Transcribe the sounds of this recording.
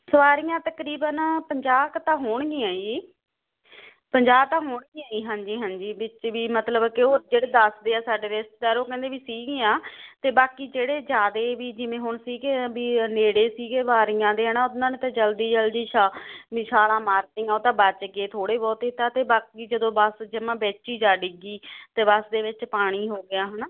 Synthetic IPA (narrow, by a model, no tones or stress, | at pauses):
səʋaːɾijãːt̪əkɾiːbənpəɲd͡ʒaːkt̪ãːɦoːɳɡĩːaːiː | pəɲd͡ʒaːb̚t̪ãːɦoːɳɡĩːaːiːɦãːɲd͡ʒiːɦãːnd͡ʒiːbɪt͡ʃʋiːmət̪ləbkɪoːd͡ʒeːɽeːd̪əsd̪eːaːsaːɖeːɾɪsʈ̚d̪ɛːɾoːkɛ̃ːnd̪eːbiːsiːɡẽːaːt̪eːbaːkiːd͡ʒeːɽeːd͡ʒjaːd̪eːʋiːd͡ʒɪʋẽːɦʊɳsiːɡeːbiːneːɽeːsiːɡeːʋaːɾijãːd̪eːɦənãːʊnãːnet̪ãːd͡ʒəld̪iːd͡ʒəld̪iːʃaːɪʃaːlãːmaːɾt̪ɪ̃ŋɡãːt̪ãːbət͡ʃəɡeːt̪ʰoːɽeːbɔːt̪ɪt̪aːt̪eːbaːkiːd͡ʒəd̪õːbəsd͡ʒɪmãːbɛːt͡ʃiːd͡ʒaːɖɪɡiːt̪eːbəsd̪eːʋɪt͡ʃpaːɽ̃iːɦoːɡɪjaːɦənaː